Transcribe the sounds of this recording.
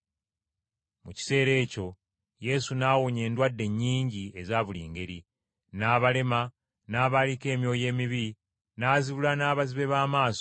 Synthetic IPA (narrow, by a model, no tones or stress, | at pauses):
muci̥se̞ːɾe̞ːco̞ | je̞sunawoɲe̞ːndwadːe̞ɲːiːɲɟie̞zaːβulḭːŋɡe̞ɾi | naːβale̞ma | naːβalike̞ːmjo̞ːje̞ːmiβi | naːziβulanaːβaziβe̞βaːmaːso